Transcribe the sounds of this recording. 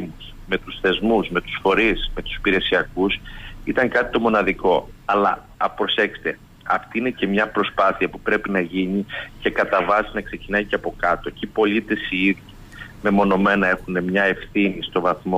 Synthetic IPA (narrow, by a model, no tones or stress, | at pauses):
us | me̞t̪usθe̞zmusme̞t̪u̥sfo̞ɾisme̞t̪u̥si̥piɾe̞siɐkusit̪ɐŋkɐt̪i̥t̪omo̞nɐðiko̞ɐlɐ̰ | pɾo̞se̞kse̥t̪e̞ | ɐ̰ft̪iine̞ce̞mɲɐpɾo̞spɐθiɐpupɾe̞pinɐʝinice̞kɐt̪ɐvɐsinɐkse̞cinɐjceɐpo̞kɐt̪o̞cipo̞lit̪e̞siiðji | me̞mo̞no̞me̞nɐe̞xune̞mɲɐe̞fθinist̪o̞vɐθmo